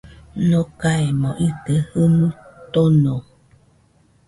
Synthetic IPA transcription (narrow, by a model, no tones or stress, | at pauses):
nokaemõʔit̪əhɨmɨt̪onõ